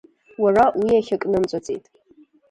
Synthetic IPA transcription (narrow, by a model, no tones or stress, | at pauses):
warawiaχʲakʼnɨmt͡sʷʼat͡sʼḛjtʼ